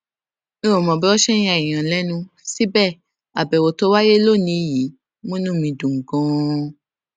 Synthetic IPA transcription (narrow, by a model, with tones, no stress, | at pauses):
nẽ˦o˨mɔ̃˨bɛ˦wɔ˦ʃɛ˦ĩ˦a˧˨i˨j̃ã˨lɛ˦nũ˧si˦bɛ˦˨ | a˨bɛ˨wo˧to˦wa˦je˦lo˦˨nĩ˧˨ji˨˦ | mõ˦nũ˦mĩ˧dũ˨ŋ̩˨ɡɔ̃˦